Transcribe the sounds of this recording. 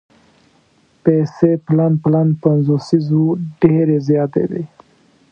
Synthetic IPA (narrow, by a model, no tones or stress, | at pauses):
peseplanplanpanzosizoɖeɾezjɑt̪ḛd̪ḛ